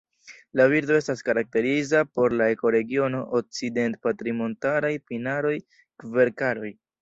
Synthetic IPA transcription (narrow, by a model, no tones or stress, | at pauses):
laviɾdo̞e̞staskaɾak̚te̞ɾizapo̞ɾlae̞ko̞ɾe̞ɡio̞no̞ʔok̚t͡side̞ntpatɾimo̞ntaɾajpinaɾo̞j | kve̞ɾkaɾo̞j